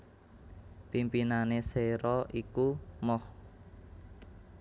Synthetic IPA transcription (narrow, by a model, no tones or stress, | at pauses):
pimpinaneseɾɔʔikumɔh